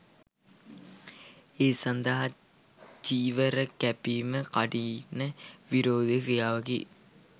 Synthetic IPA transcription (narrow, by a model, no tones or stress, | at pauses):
eːsand̪ɐɦa | d͡ʒiːʋəɾəkæpiməkaɖinːəʋiɾoːd̪ekrijaːʋɐɡḭ